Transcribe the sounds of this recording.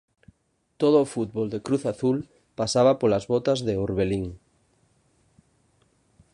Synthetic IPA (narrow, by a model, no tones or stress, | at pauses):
t̪oð̞oːfut̪̚βold̪ekɾuθaθul | pasaβapolazβot̪azðeuɾβeliŋ